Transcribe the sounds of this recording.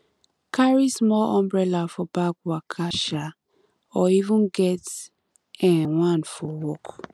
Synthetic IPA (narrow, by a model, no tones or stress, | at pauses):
kʰaɹismɔʔɔ̃mbɹɛlafɔbak̚wakʰaʃa | ɔivũnɡɛt | ɛ̃wãnfɔwɔk